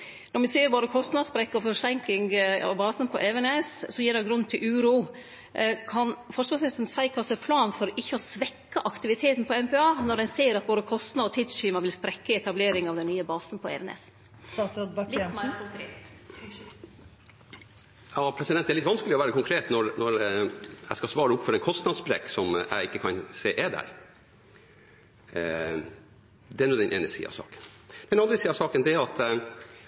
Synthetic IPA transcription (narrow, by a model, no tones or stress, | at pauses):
nɔɾmʋɪsiːəɾboːd̪əkʰɔst̪nɑspɾɛkːəɔfɔɾsɛŋklɪŋɑ̰ʋbɑːsənpʰɔʔɛʋɛnessɔjiːɖɛɡɾʉnt̪ʰɪlʔʉːɾuː | kʰɑnfɔɾsɑsɛsn̩sæɪkʰɑːsɔɛpʰlɑːnfɔɾɪçːəɔsʋɛkːəʔɑkt̪ɪʋɪt̪ʰeːt̪n̩pʰɔɛmpʰɛɑːnɔɾdɛnseːɾɑt̪̚boːd̪əkʰɔst̪nɑɔt̪ʰiːd̪stiːmɑʋɪlspɾɛkːəɛt̪ʰɑbleːɾɪŋɑʋd̪ɛnːyːəbɑːsn̩pʰɔɛ̰ːʋɛnɛ̰s | ɑsd̪lɪmæɾkʊŋkʰɾeːt̪ | jɑːpʰɾɛsɪd̪ɛnæɾɭɪt̪ːʋɑnskəlɪɔʋæːɾəkʊŋkʰɾeːt̪nɔɾnɔɾ | æ̰ɪskɑsʋɑːɾəʊpfɔɾɛnkʰɔst̪nɑd̪sbɾḛːksɔmæ̰ɪɪkːəkʰɑnseːʔed̪æ̰ɾ | d̪ɛæɳuːd̪ɛnʔḛːnəsḭːɑ̰ʋsɑ̰ːkə̥nd̪̥ɛnɑnd̪ɾəsiːɑʋsɑːkənd̪ɛæɾɑt̪